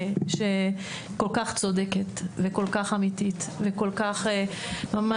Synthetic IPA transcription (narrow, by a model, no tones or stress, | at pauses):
ʃe | kolkaχt͡sod̪eket̪veko̞lkaχamit̪it̪veko̞lkaχe | mama